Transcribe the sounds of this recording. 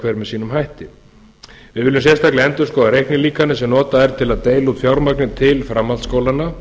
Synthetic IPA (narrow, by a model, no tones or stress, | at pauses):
kʰvɛːɾmɛðsiːnʏmɦajht̪ɪ | vɪðvɪːlːʏmsjɛst̪aklɪɛnt̪ʏɾ̥skɔːðaɾejhknɪliːkanɪsɛmnɔːt̪aðɛɾ̥t̪ʰɪlaðt̪eːjlaut̪fjawɾmaknɪnt̪ʰɪlfɾamːalskoːwlanːa